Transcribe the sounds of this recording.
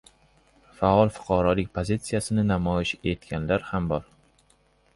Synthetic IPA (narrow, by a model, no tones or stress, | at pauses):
faɒlˠfʊ̥qʰɑɾɒlɪkʲpʰozit̪sijasɪnɪnamɒjɪʃe̞t̪kʲanlaɾhambɒɾ